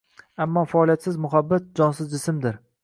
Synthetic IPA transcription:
amːɒfaːlˠijat̪sɪzmʊɦabːat̪̚d͡ʒɒnsɪzd͡ʒɪsɪmd̪ɪɾ

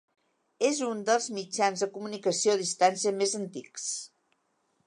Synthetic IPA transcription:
ezund̪əlˠzmid͡ʒanzðəkumunikəsioðist̪ansiəmezənt̪iks

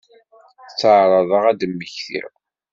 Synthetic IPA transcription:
t͡sːəʕɾˤɑðˤəʁæd̪əmːəçθḭɾ

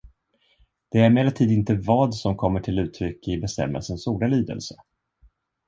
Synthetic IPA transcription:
d̪̥ɛæɾmeːlat̪ʰiːd̪əɪnt̪əvɑːd̪sɔmkʰɔmːəʈʰɪlʉ̟ːt̪ʰɾʏkːɪbɛst̪ɛ̰mːə̰lsənsuːɖaliːd̪ə̰lsə

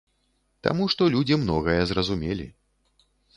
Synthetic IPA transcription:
t̪a̰muʂt̪ɔlʲud͡zʲimnɔɣɐjɛzrɐzumʲelʲḭ

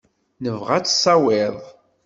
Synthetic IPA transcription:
nəvʁæt͡sːsˤɑwɪðˤ

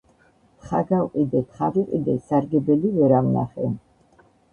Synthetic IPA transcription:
χa̰ɡalqʼid̪ɛt̪χaviqʼid̪ɛsaɾɡɛbɛlivɛɾamna̰χɛ

